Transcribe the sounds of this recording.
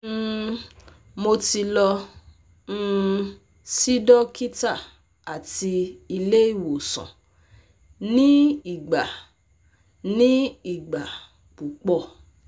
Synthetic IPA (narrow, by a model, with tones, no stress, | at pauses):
mo˧ti˧lɔ̃˧˦˧ | si˦dɔ˦ki˦ta˦˨ | a˨ti˧i˧le˦i˦˨wo˨sɔ̰̃˨ | nĩ˦i˦˨ɡ͡ba˨ | nĩ˦i˨ɡ͡ba˨ | k͡pu˨k͡pɔ˧˨